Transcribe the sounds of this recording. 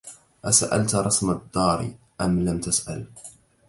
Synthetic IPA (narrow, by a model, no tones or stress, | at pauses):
ʔasaʔa̰lt̪ɾˤɑsmad̪ˤːɑːɾ̰ | ʔamlamt̪asʔal